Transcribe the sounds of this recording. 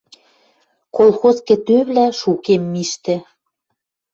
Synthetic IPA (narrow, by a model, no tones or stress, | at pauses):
kolˠxoskĕt̪øβlæʃukemːiʃt̪ĕ